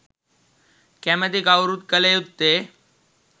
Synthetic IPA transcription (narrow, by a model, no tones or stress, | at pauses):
kæmɛt̪ikawɾuːt̪̚kəleut̪ːe